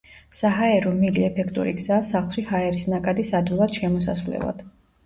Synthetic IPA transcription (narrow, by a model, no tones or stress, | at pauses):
saɦaɛɾɔmiliɛpʰɛkʰt̪ʼṵɾḭɡz̥asaχlˠʃihaɛɾisnakʼad̪isad̪vilˠad̪̥ʃɛmɔsa̰svlɛ̰lˠa̰d̪̥